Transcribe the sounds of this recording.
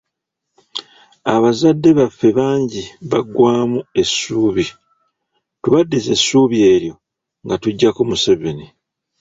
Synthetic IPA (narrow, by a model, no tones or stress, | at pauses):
aβazadːe̞βafːe̞βaːɲɟiβaɡwaːmue̞sːuːβi | tuβadːize̞sːuːβje̞ːɾjo̞ | ŋɡatuɟːakomuseβeni